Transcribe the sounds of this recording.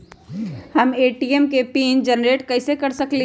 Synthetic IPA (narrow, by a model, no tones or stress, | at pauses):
həmeʈiemkepind͡ʒənɾeʈkəɪsekəɾsəkle